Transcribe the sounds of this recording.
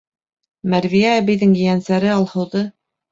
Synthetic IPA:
mæɾvijæːbɘ̆jðɘŋjɘ̆jænsæɾɘɑlˠhɤ̆wðɤ

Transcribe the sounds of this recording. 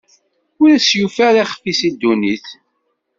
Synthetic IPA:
ʊɾæsjufæɾiχəfisid̪ːuniθ

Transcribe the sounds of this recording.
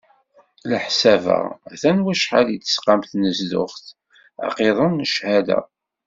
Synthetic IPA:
ləħsævə̰æθænwæʃħalit̪ːə̥sqamθnəzdʊχθ | æ̰qeðˤənʃhæd̪æ̰

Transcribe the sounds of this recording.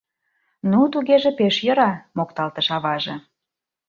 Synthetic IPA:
nut̪uɣeʒĕpeʃjə̆ɾɑmokt̪ɑlt̪əʃɑβɑʒɤ̆

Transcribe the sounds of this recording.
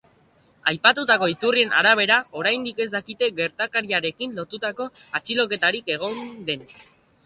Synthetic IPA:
ajpat̪ut̪ako̞it̪urie̞nʔa̰ɾaβ̞e̞ɾao̞ɾajnd̪ike̞zd̪akit̪e̞ɡe̞ɾt̪akaɾiaɾe̞kinlo̞t̪ut̪ako̞at͡ʃilo̞ke̞t̪aɾike̞ɣ̞o̞nd̪e̞n

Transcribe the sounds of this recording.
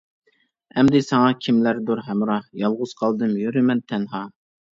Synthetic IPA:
ɛmd̪ɪsɑŋɑkʲʰimlæɾd̪uɾɦɛmɾɑhjɑlˠʁʊz̥qʰɑlˠd̪ɨmjøɾɪmɛnt̪ʰɛnɦɑ

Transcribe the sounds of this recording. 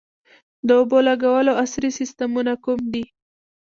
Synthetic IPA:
d̪əobolaɡawəloasɾisist̪amunakumd̪i

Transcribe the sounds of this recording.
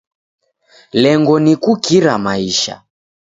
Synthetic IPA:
lɛŋɡɔnikukiɾamaiʃa̰

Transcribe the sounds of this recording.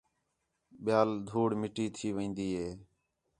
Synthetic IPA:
ɓɪjaːld̪ʱuːɽmɪʈiːt̪ʰiːʋĩːnd̪iːɦeː

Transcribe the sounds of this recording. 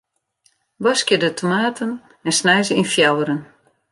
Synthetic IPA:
ʋɔskjədətʰomaːtʰən | ɛnsnɛjzəinfjawəɾən

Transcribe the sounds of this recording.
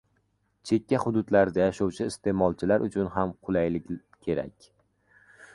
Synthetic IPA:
t͡ʃʰe̞kʲːahʊd̪ʊd̪laɾd̪ajaʃɒwt͡ʃʰɪɪst̪ʰe̞mɒlˠt͡ʃʰɪlaɾʔʊt͡ʃʰʊnɦamqʰʊlˠajlɪ | kʲʰe̞ɾa̰kʲ

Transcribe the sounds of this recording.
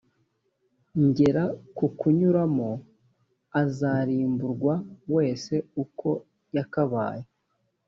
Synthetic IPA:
ɲɟe̞ɾakukuɲuɾamo | azaɾiːmbuɾɡwawe̞ːse̞ukʰo̞ | jakaβa̰ːje

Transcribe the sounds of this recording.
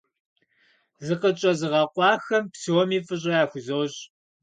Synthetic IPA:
zɨqət͡ʃʼɐzɨʁɐqʷɑːxɐmpsuwɔmiːfʼɨɕʼɐjaːxʷʊzowɕʼ

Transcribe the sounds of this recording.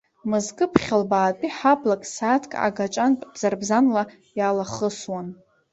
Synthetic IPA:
mɨzɡɨpʰχʲalbaːtʼiħabʰʼlakʼsatʰkʼa̰ɡat͡ʃʼantʼbz̥arbzanla | jalaχəswan

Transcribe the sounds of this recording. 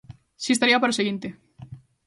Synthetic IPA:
siest̪aɾiapaɾoseɣint̪e

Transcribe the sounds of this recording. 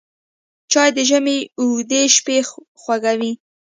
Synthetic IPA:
t͡ʃɑjd̪əʒəmeuɡd̪eʃpe | xwaɡawi

